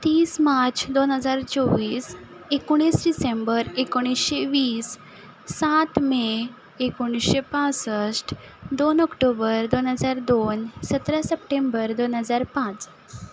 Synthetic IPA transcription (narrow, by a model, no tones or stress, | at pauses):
t̪iːsmat͡sd̪onɦəd͡zaɾt͡sɔʋiːs | ekoɽ̃isɖisembəɾekoɽ̃isɕeʋiːsː | at̪me | ekoɽ̃isɕepãt͡səsʈ | d̪onɔkʈobəɾd̪onɦəd͡zaɾd̪onsət̪ɾasəp̚ʈembəɾd̪onɦəd͡zaɾpãt͡s